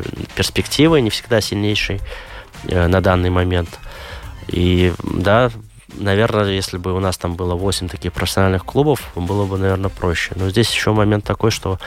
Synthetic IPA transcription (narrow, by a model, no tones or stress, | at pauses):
pʲɪrsʲpʲɪktʲivɨnʲɪfsʲɪɡ̚d̪asʲɪlʲnʲejʂɨj | nɐd̪anːɨjmɐmʲe̞nt̪ | id̪a | nɐvʲe̞rnəjesʲlʲɪbɨʊnast̪ambɨlˠəvo̞sʲɪmʲt̪ɐkʲixpɾəfʲsʲɐnalʲnɨxklˠubəfbɨlˠəbɨnɐvʲe̞rnəpɾoɕːɪnozʲdʲesʲjɪɕːomɐmʲe̞nt̪ːɐko̞jʂt̪o̞